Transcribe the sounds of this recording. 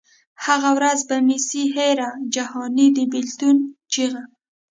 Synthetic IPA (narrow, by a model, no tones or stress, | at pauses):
haɣawɾazbamisiɦeɾad͡ʒahɑnid̪əbɪlt̪unt͡ʃiɣa